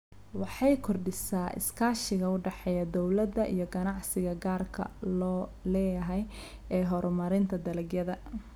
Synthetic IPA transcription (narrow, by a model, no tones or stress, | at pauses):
wɑħɑjkʰɔrɖɪsaːʔɪ̰skʰaːʃɪɣɐʊɖɛħɛjɐd̪ɔwlɐd̪ɐʔḭjɞɡɐnɑʕsɪɣɐɡaːrkʰɐ̰lɔːlɛːjɐɦɛj | ɛːɦɔɾɔmɐɾɪnt̪ʰɐd̪ɐlɛɡjɐðɐ